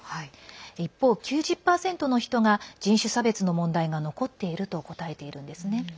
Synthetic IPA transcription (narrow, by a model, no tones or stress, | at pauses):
haiipːo̞ːkʲɨːʑɨpːaːsẽ̞nt̪o̞no̞çi̥t̪o̞ɡad͡ʑĩɰ̃ɕɨsabe̞t͡sɨno̞mõ̞nd̪aiɡano̞ko̞t̪ːe̞iɾɯ̟t̪o̞ko̞t̪ae̞t̪e̞iɾɯ̟̃nd̪e̞sɨne̞